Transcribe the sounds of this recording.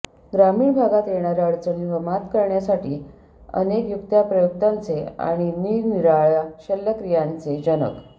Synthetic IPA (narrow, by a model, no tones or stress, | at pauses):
ɡɾamiːɭbʱaɡat̪jeɳ̃aɾjaəɭt͡səniʋəmat̪kəɾɳjasaʈiː | ə̰nekjukt̪japɾəjukt̪ant͡sea̰ɽ̃iniɡniɾaɭjaɕelːəkɾijant͡sed͡ʑənə̰k